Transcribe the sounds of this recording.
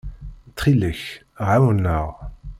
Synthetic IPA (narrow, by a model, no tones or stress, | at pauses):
t̪χiləç | ʁawənːəʁ